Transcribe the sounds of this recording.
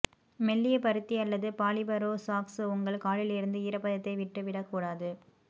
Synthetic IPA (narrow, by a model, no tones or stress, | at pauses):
mɛlːɪjɐpɐɾɯt̪ːiɐlːɐðɯpaːɭɪbɐɾoːsaːksʊŋɡɐɭkaːɭɪlɪɾɯnd̪ɯɪɾɐpːɐðɐt̪ːɐɪʋɪʈːɯʋɪɽɐkːuːɽaːðɯ